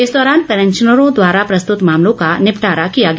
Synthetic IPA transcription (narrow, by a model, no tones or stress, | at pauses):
ɪsd̪ɔːɾaːnpɛɾə̃ɲt͡ʃənəɾõd̪waːɾapɾɐst̪ʊt̪maːmlõkanɪpʈaːɾakijaɡ